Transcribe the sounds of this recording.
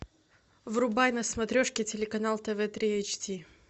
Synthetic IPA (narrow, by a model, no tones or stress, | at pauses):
vɾʊbajnɐsmɐt̪ɾʲoʂkʲɪtʲɪlʲɪkɐnalˠt̪ɛvɛt̪ɾʲiejt͡ɕtʲi